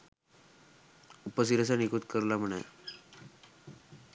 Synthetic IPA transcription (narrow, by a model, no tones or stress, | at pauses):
upəs̬iɾəs̬anikut̪kəɾlam̤əɳa̰j